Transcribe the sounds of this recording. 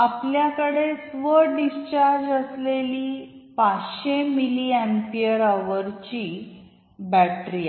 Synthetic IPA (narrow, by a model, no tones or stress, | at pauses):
apljakəɽesʋəɖist͡ɕaɾd͡ʑəsleliːpat͡sɕemiliɛ̃mpiəɾaʋəɾt͡ɕi | bæʈɾia